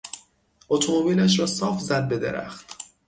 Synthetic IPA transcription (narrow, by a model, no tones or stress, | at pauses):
ot̪ʰomobiːlæʃ̬ɾɒːsɒːfzæd̪̚be̞d̪e̞̰ɾæ̰xt̪